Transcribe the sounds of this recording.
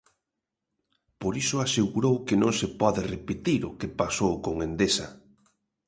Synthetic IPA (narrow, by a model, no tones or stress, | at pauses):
poɾisʊaseɣuɾowkɪnõŋsepɔðɪrepet̪iɾʊkepasowkoŋend̪esa̰